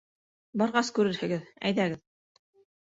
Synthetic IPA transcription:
bɑɾʁɑskʉɾɘɾhɘ̆ɡɘðæ̰jðæɡɘð

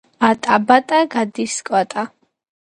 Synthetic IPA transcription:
at̪ʼabat̪ʼaɡad̪iskʼat̪ʼa

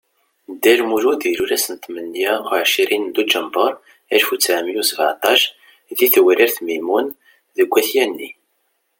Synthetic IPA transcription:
d̪ælmuʒud̪iluɾæsənt̪mənːjæʕʃiɾind̪ud͡ʒəmbəɾˤ | ælfut͡sːaʕmijusəvʕt̪ˤɑʃ | ðiθwəɾiɾθmimun | ðəɡʷːæθjænːi

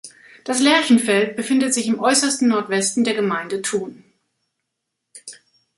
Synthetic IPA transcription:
d̥aslɛɐçn̩fɛlt̚b̥əfɪndətz̥ɪçɪmʔɔʏsɐstn̩nɔɐtv̥ɛstn̩deːɐɡəmaɪndətʰuːn

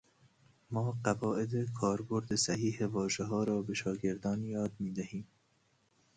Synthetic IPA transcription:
mɒːɢævɒːʔed̪ekʰɒːɾboɾd̪esæhiːhevɒːʒeɦɒːɾɒːbeʃɒːɡe̞ɾd̪ɒːnjɒːd̪miːd̪æhiːm

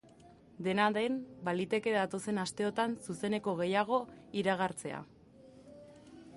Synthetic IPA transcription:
d̪e̞naðe̞mbalit̪e̞ke̞ðat̪o̞se̞nast̪e̞o̞t̪ansuse̞ne̞ko̞ɣ̞e̞jaɣ̞o̞iɾaɣ̞aɾt͡se̞a̰

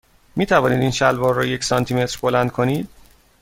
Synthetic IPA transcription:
miːt̪ʰævɒːniːd̪inʃælbɒːɾːɔːjecsɒnt̪ʰime̞t̪ɾbo̞lænd̪̥̚kʰo̞niːd̪̥̚

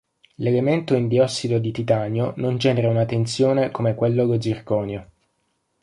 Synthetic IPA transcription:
lelement̪oind̪iɔsːid̪od̪it̪it̪aːnjonond͡ʒɛːneɾaunat̪ːent̪sjoːnekomekwelːolodzirkɔːnjo

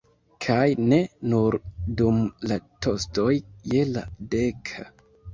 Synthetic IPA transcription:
kʰajne̞nuɾdumlato̞stojje̞la̰dekʰa

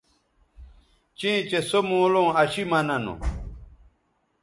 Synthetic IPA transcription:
t͡ɕĩːt͡ɕesomõːlõːɐɕimɐnɐno̰

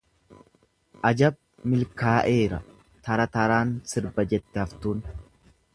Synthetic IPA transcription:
ʔɐd͡ʒɐb̚ | mɪlkaːʔe̞ːɾɐ | t̪ɐɾɐt̪ɐɾaːnsɪɾbɐd͡ʒɛt̪ːɛɐft̪uːn

